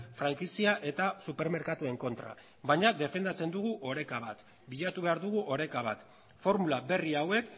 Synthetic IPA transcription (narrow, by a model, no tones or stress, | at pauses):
fɾaŋkisiaʔe̞t̪asupe̞ɾme̞ɾkat̪ue̞ŋko̞nt̪ɾa̰ | βajɲade̞fe̞nd̪at͡se̞nd̪uɣ̞uʔo̞ɾe̞kaβ̞at̪ | biʎat̪uβe̞aɾðuɣ̞uʔo̞ɾe̞kaβ̞at̪ | fo̞ɾmulabe̞riawe̞k